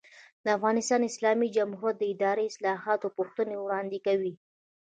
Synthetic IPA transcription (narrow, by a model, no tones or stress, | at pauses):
d̪əafɣɑnɪst̪ɑnɪslɑmid͡ʒamhuɾjat̪̚d̪əɪd̪ɑɾeɪslɑɦɑt̪opʊxt̪ənewɽɑnd̪ekawi